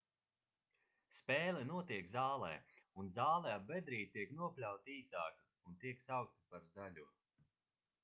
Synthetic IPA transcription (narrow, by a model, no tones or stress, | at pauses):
spɛːlɛnuɔt̪iɛkzaːlˠɛ̰ːunzaːlˠɛabːɛd̪ɾiːt̪iɛknuɔplʲawt̪iːzaːka | unt̪iɛksawk̚t̪ipaɾzalʲuː